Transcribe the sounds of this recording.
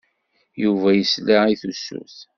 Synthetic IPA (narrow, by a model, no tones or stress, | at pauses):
juvæjəslæiθusːṵθ